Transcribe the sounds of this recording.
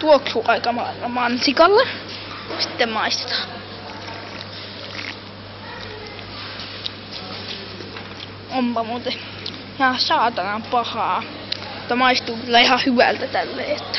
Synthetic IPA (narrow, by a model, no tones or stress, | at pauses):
t̪uoksuːʔɑikɑmɑinːɑmɑnsikɑlːe | si̥t̪ːemmɑist̪e̥t̪ɑ̥ː | ompɑmuːt̪e | ihɑsɑːt̪ɑnɑmpɑhɑː | ut̪ːɑmɑist̪uːkylːæihɑhyʋæ̰lt̪æt̪ælːḛːot̪ːæ̥